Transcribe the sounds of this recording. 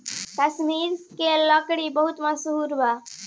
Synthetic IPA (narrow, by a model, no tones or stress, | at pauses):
k̪əsmiɾskeləkɽibəɦut̪mãsuɦuɾba